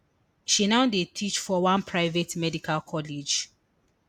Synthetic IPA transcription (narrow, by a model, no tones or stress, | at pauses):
ʃinaʊdetʰit͡ʃfɔwãnpʰɹaɪvetmɛdikalkʰɔlid͡ʒ